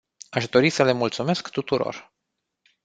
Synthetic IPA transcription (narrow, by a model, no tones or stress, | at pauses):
aʃd̪o̞ɾisəle̞mult̪sume̞skt̪ut̪uɾo̞̰r